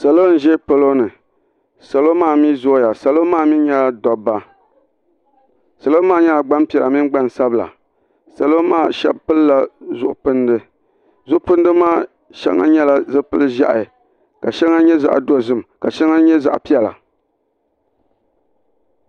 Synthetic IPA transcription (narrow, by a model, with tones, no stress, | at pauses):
sa˨lo˦n̩˨ʒɛ˦pɨ˦lo˦nɨ˨ | sa˨lo˦maː˦˨mi˦zo˦ja˨sa˨lo˦maː˦˨mi˦n˦ɲɛ˦la˦dɔ˨bːa˦ | sa˨lo˦maː˦˨ɲɛ˦la˨ɡ͡ba˦mpi˨ɛ˨la˨mɪ˦n˦ɡ͡ba˦n˨sa˦bɨ˨la̰˨ | sa˨lo˦maː˦˨ʃɛ̰˦b̚pɨ˦lla˨zʊ˨ʔʊ˨pɨ˦ndɨ˦ | zʊ˦ʔʊ˦pɨ˦ndɨ˦maː˦˨ | ʃɛ̰˦ŋa̰˦ɲɛ˦la˨zɨ˦pɨ˦lɨ˦ʒa̰˦ʔa˨ | ka˨ʃɛ˦ŋa˦ɲɛ˦za̰˨ʔdo˦zɨ˦m˨ka˨ʃɛ˦ŋa˦ɲɛ˦za̰˨ʔpi˦ɛ˨la̰˨